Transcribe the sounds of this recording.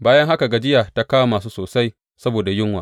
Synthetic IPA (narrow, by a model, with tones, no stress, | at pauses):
baː˦jɐ˦ŋɦa˦ka˨ɡa˨d͡ʒɪ˦jaː˨ta˦kaː˦wa˨maː˨s̬uː˦soː˨sa˦j | sɐ˦boː˨da˨jɪ˦ŋwa̰ː˨